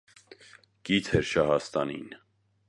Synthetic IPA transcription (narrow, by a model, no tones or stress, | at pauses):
ɡ̥it͡sʰɛɾʃɑɦɑst̪ɑnḭn